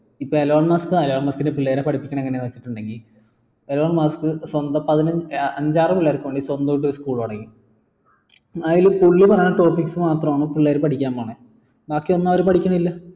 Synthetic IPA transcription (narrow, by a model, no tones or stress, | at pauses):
ipːoeloːɭmɐskɨɐloːɭmɐskindepiɭːeːɾepɐʈʰipːikʲːɐɳɐ̃eŋːɐnenɨʋɐt͡ɕːi̥ʈːuɳɖe̞ŋɡil | eloːɭmɐskɨswɐnd̪ɐpɐðinɐɐɲd͡ʑaːrɐmpulːaːɾkɨʋeɳɖiswɐnd̪ojʈ̬ːo̞ɾuskuːɭoɽɐŋːi | ajilpuɭːipɐrɐjɳɨʈo̞ːrfiksɨmaːt̪rɐmaːɳɨpuɭːeːɾpɐʈʰikʲːaːmːbaːɳɨ | baːkːijo̞nːaːʋɐɾupɐʈʰikʲːuɳɐilːɐ